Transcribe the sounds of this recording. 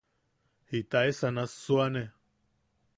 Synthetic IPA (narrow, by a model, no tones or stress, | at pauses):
hit̪aesanasuane